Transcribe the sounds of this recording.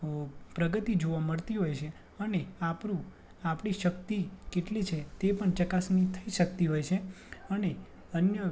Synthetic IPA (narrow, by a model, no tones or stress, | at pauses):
pɾəɡət̪id͡ʒoʋaməɭt̪iɦojt͡ʃʰe | əneapɾũ | apɽ̃iʃəkt̪ikeʈlit͡ʃʰet̪epəɳt͡ʃəkasnit̪ʰəiʃək̚t̪iɦojt͡ʃʰe | əne | ənjə